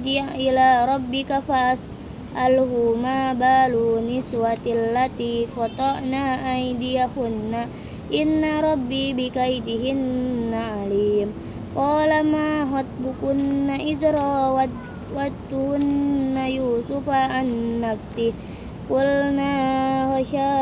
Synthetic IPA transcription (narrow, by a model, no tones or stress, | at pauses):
d͡ʒaʔɪlaːɾˤɑbːɪkafas | ʔalhumaːbaːlunɪswat̪lːat̪iːkɔt̪ˤɑʔnaːʔajd̪ɪjahʊnːa | ʔɪnːaɾˤɑbːiːbɪkajd̪ɪɦɪnːaʕaliːm | qɑːlamaːɦɑt̪̚ˤbʊkʊnːaʔɪd̪ɾaːwa | wad̪t̪uhʊnːajuːsʊfaʔanːafsɪh | kʊlnaːhaʃa